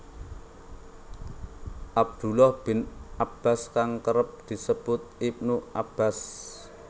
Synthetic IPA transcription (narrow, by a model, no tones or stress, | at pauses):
ʔab̚d̪̥ṳlɔhb̥ɪnʔab̥a̤skaŋkəɾəp̚d̪̥i̤səb̥ʊt̪̚ip̚nuʔab̥a̤s